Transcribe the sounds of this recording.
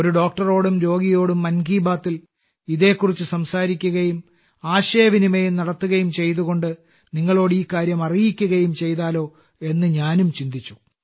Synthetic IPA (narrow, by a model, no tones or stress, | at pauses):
oɾuɖo̞ːk̚ʈɐro̞ːɽumɾo̞ːɡijo̞ːɽumːɐnɡiːbaːt̪ːil | iðe̞ːkːurit͡ɕːusɐmsaːɾikʲːuɣɐjum | aːɕɐjɐʋinimejumnɐɽɐt̪ːuɣɐjumt͡ɕe̞jt̪uɣo̞ɳɖɨ | niŋːɐɭo̞ːɽɨiːkaːɾjɐmɐrijikʲːuɣɐjumt͡ɕe̞jt̪aːlo̞ː | e̞nːɨɲaːnumt͡ɕind̪it͡ɕːu̥